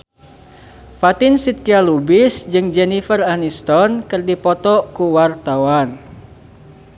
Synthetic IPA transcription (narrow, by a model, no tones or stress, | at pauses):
fat̪insit̪̚kialubisd͡ʒɨŋd͡ʒɛnifəranist̪ɔnkɨrdipɔt̪ɔkuwart̪awan